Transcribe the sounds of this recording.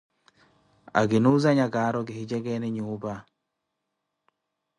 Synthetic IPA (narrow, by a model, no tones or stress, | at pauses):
a̰ɡɪnuzaɲaɡaɾɔɡɪhid͡ʒɛɡɛnɪɲuba